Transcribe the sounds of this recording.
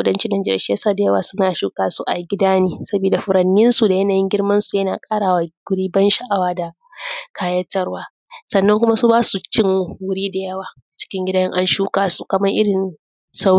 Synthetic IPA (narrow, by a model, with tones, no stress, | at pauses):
ʊ˦dɐ˦nt͡ʃɪ˦nːa˨nd͡ʒɛ˦ɾʃjɐ˦saː˦˨da˨jɐ˦waː˨sʊ˦naː˨ʃuː˦kaː˦su˦ʔa˨ɡʲɪ˦daː˦niː˦sɐ˦biː˨da˨ɸʊ˨ɾɐ˨nːɪ˦nsu˨da˨jɐ˦naː˨jɪ˦ŋɡʲɪ˦rmɐ˦nsu˨jɐ˦naː˨kʼaː˦ɽaː˨wa˨ɡʷʊ˦ɽiː˦bɐ˦nʃɐ˨ʔa˨waː˦da˨ | kʰaː˦jɐ˦tːɐ˦rwaː˨˦ | sɐ˨nːɐ˦ŋkʷʊ˦ma˦su˦baː˦su˨t͡ʃɪ˦ŋ˦wʊ˦ɽiː˦da˨jɐ˦waː˨ | a˨t͡ʃɪ̥˦kʲɪ˦ŋɡʲɪ˦da˦jɪ˦ŋʔa˦nʃuː˦kaː˨su˨kɐ˨mɐ˦ŋʔɪ˦ɽɪ˨n | sa˦